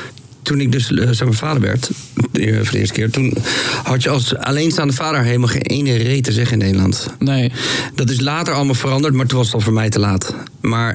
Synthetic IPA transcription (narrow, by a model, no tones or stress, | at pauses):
tunɪɡ̚dɵssɛnməfaːdəɹʋɛ̰ɹt | foɹdəɪ̰ɹstə̥kɪːɹtunhɑtjəɑlˠsa̰lejnsaːndəfaːdəɹɦelˠəmalˠχḛːnʔejnərejtəzɛχəɪnːeːdəlɑ̰ntned̥ɑt̬ɪs̬laːtəɹɑlˠəmaːlˠfərɑndəɹtmaːɹtunʋɑstɔlˠfəːɹmɛjtəlaːt | maːɹ